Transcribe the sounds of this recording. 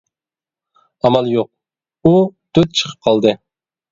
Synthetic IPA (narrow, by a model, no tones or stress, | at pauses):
ɑmɑlˠjoq̚ | ud̪øt̪̚t͡ʃʰə̥qʰə̥p̚qʰɑlˠd̪ɨ